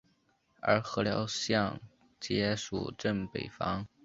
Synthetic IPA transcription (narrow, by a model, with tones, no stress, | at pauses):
ə̰˞˧˥xɤ˧˥ljɑ˧˥ʊɕjɑ˥˩ŋ | t͡ɕjɛ˥ʂṵ˨˩ʈ͡ʂə˥˩ŋpḛ˨˩ɪfɑ˥ŋ